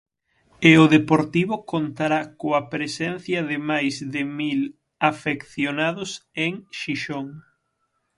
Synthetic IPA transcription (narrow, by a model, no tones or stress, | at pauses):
eʊðepoɾt̪iβʊkont̪aɾakoɐpɾesɛnθjɐðɪmajzðɪmil | afekθjonaðʊseŋʃiʃoŋ